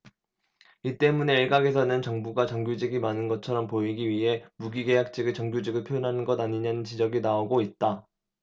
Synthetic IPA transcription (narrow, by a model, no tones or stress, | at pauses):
it͈e̞mune̞ːɭɡaɡe̞sʰʌnɯnt͡ɕʌŋbuɡat͡ɕʌŋɡjud͡ʑiɡimanɯnɡʌt͡ɕʰʌɾʌmpoiɡiɥiɦe̞muɡiɡe̞jak̚t͡ɕ͈ʰiɡɯɭt͡ɕʌŋɡjud͡ʑiɡɯɭpʰjojonɦanɯnɡʌdaɲiɲanɯnt͡ɕid͡ʑʌɡinaoɡoit̚t͈a